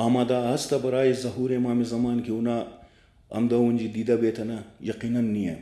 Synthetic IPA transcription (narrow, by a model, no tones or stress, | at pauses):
aːmaːd̪aːɐst̪ɐbɐɾaːjizɐɦuːɾemaːmezɐmaːnkiuna | ɐ̰md̪ɐunʲd͡ʒid̪iːd̪ɐbeːt̪ʰɐnɐjɐqiːnɐnːiḛ